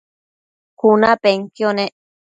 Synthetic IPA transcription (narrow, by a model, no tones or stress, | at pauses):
kunapeŋkjone